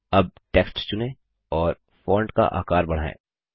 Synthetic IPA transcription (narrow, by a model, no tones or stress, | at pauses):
ɐb̚ʈeːksʈst͡ʃʊnẽ | ɔːɾ | fɔːɳɖka̰ʔa̰ːkaːɾbɐɽ̤aːḛ̃ː